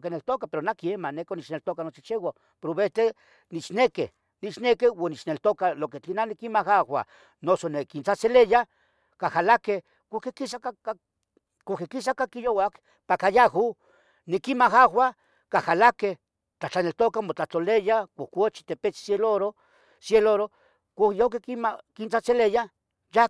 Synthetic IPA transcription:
kinelt̪okapeɾonakiemanekonit͡ʃnelt̪okanot͡ʃit͡ʃewa | peɾoβet̪e | nit͡ʃnekḛ | nit͡ʃnekewanit͡ʃnelt̪okaloket͡ɬinanikimaxahwʷa̰ | nosonekint͡saseleja | kahalake | kokekisaka | kokekisakakijowak | pakajahu | nekimaxawʷa | kahalakeh | t͡ɬat͡ɬanelt̪okamot͡ɬat̪olejakokot͡ʃi̥t̪epet͡sseloɾo | sjeloɾo | kʷajokekimkint͡sat͡seleja | ja

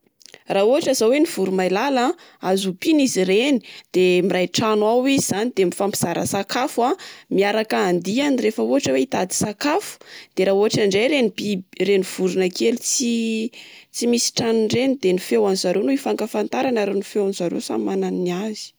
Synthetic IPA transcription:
raɦuɦaʈ͡ʂazaweniv̥uɾumajlala | azupinizireni̥d̪̥emirajʈ͡ʂanuawiziz̥anid̪emifampi̥z̥aɾə̰sakafamiaɾakaːnd̪ianirefəuɦaʈ͡ʂəweit̪ad̪i̥sakafu̥d̪̥eɾaːuɦaʈ͡ʂaɳɖ͡ʐejɾenibireniv̥uɾunəkelut͡si | t͡simisi̥ʈ͡ʂanuɳɖ͡ʐenid̪enifewanizaɾonuifaŋkafant̪aɾanaɾenifewanzaɾḛsa̰mmananiniazi̥

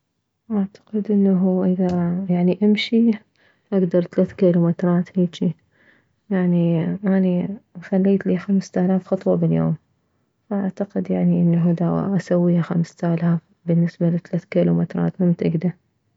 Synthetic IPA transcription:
ʔaʕt̪ḁqɪd̪ʔɪnːaɦuʔɪðajaʕniʔamʃi | ʔaɡd̪ɑɾˤt̪alaːθkiːlumɪt̪ɾˤɑːt̪hiːt͡ʃi | jaʕniʔanixalːiːt̪liːxamst̪aːlaːfxɑt̪ˤwɑbɪljo̰ːm | faʔaʕt̪aqɪd̪jaʕniʔɪnːaɦʊd̪awa̰ʔasawːiːhaxamst̪aːlaːf | bɪnːɪsbalit̪alaːθkiːlumɪt̪ɾˤɑ̰ːt̪mamt̪ʔɪɡd̪a

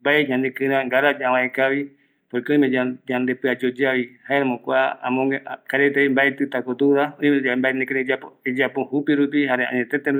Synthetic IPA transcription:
mbaeɲãnd̪ekɨɾãŋɡaɾad͡ʒaawãekaβi | pojkeõj̃mẽd͡ʒaɲãnd̪epɨad͡ʒod͡ʒaβihaeɾamõkʷaaã̰mõkaɾet̪eimbaet̪ɨt̪akot̪uɾaoĩmẽambaenẽkeɾed͡ʒaped͡ʒapohupiɾupiɦaɾeã̰ɲẽt̪et̪ẽɾ

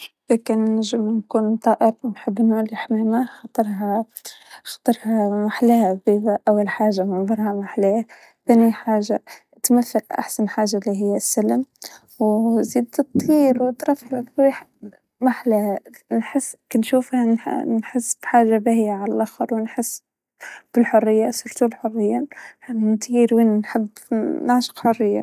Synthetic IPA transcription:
lakɪnːɪʒɪmnkuːnt̪ˤɑːʔɪɾwnħɪbːnulɪħmeːmaxɑt̪ˤːɨɾˤɦa | xɑ̥t̪ˤɨɾˤhɑmaħlahbibaʔawːalħaːʒamɪnðˤɑɾˤhɑmaħle | θaːniħaːʒa | t̪maθːalʔa̰ħsanħaːʒːalːiɦɪjːasːalm | wziːd̪t̪ˤːiːɾwɪt̪ɾˤɑfʕlaiħ | maħlanħɪsːkanʃuːfhannħɪsːb̥ħaːʒːabahjaʕalalʔaxɑɾˤwɪnħɪsː | b̥ɪlħʊrːɪjːasʊɾt̪ulħʊrːɪjːahant̪ˤʰiːɾwiːnnħɪbːnaʕʃɪ̥qħʊrːɪjːa̰

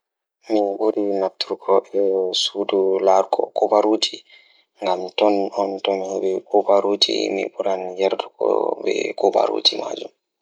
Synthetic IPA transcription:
miɓuɾinaptuɾɡʰɔʔɛsudulaɾɡɔ̰kobaɾud͡ʒi | ŋɡamtɔnɔntɔmhɛbɛkobaɾud͡ʒḭmḭɓuɾanjɛɾdukɔ̰bɛ̰koba̰ɾṵd͡ʒima̰d͡ʒum

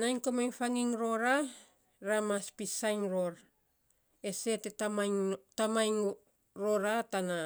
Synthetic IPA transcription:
najŋkomajŋfaŋiŋɾo̞ɾa | ɾamaspisajŋɾo̞ɾ | e̞se̞tetamajŋtamajŋ | ɾo̞ɾatana

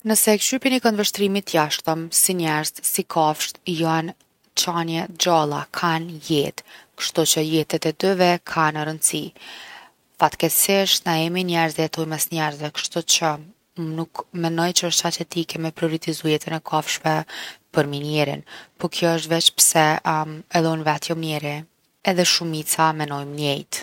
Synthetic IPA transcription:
nəsɛkʃypinikɔnvəʃt̪ɾimit̪jaʃt̪əmsiɲɛɾzsikʰafʃt̪jan | t͡ʃanjɛd͡ʑalˠa̰kʰanjɛt̪kə̥ʃt̪ut͡ʃəjɛt̪ɛt̪ɛd̪yvɛkʰanəɾənd̪si | fat̪kɛsɪʃt̪naɛminɛɾziɛt̪ujmɛsɲɛɾzvɛkə̥ʃt̪ut͡ʃə | nukmɛnɔjt͡ʃəəʃt̪ʃat͡ʃɛt̪ikɛmɛpɾiɔɾit̪izujɛt̪ɛnɛkʰafʃvɛpəɾminɛɾḭnpɔkʰjɔəʃ̬t̪vɛt͡ʃpɾsɛɛðˠɔnvɛt̪jɔmnɛɾi | ɛðɛʃumit͡samɛnɔjmnjɛjt̪

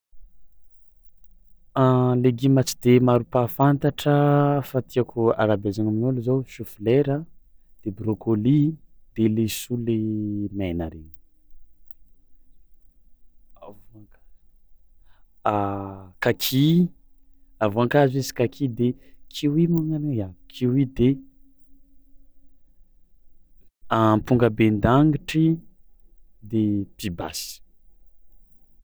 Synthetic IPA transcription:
aleɡimat͡si̥d̪emaɾupafant̪aʈ͡ʂəfat̪ʰiakʰua̰ɾabezaŋaminoluzowʃufileɾəd̪̥ebɾokolid̪̥elesulemena̰ɾeɲi̥ | avoaŋkḁ | akakʰi | avuaŋkazesi̥kakʰid̪ekʰiwimaŋaneakʰiwid̪e | ampuŋɡəbend̪aŋiʈ͡ʂi | d̪epiba̰si̥

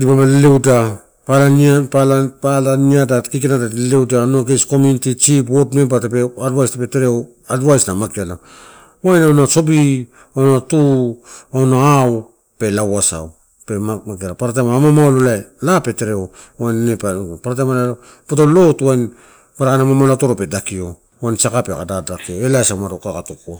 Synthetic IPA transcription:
dipamallewda | palaapalapalaniadakik̬enatatlewdanoɡejsko̞munitit͡ʃip̬wotmebatapeadwajstapeteɾeo | adwajsnamakiala | wajnawnaso̞bi | onatu | awnaaw | pe̞lawasa̰w | pemakialapaɾat̬ajmaamamaololaelape̞te̞ɾeo | wajnnepapaɾat̬ajmala | potolo̞tajn | paɾakanamamalato̞ɾope̞dakio̞ | wajnsakapekadadakioe̞lasawmaɾokakatokoa

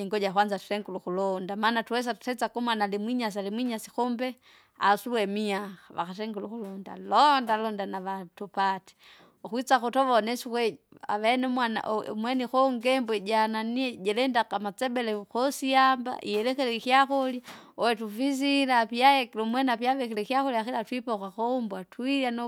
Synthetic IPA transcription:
iŋɡɔɟaxwanzatu̥tɛŋɡuluxulɔndamanatuwɛs̬atu̥tɛt͡sakumwanalimwiɲas̬alimwiɲasi̥xɔmbɛ | a̰suwɛmiaxaʋa̰xatɛŋɡuluxulɔnda̰lɔndalɔndanaʋatupati̥ | uxwit͡saxutɔʋɔnɛsukwɛa̰ʋenmwan̰mwɛnixoŋɡɛmbwɛɟananiɟɛlɛndakamat͡sɛbɛlɛxosiamba̰ʔḭjɛlɛkɛlɛkiaxoljaowɛtufiz̬ilapiajeklumwɛnapjaʋɛkɛlɛkijaxuljaxilatwipakaxombwatwijano

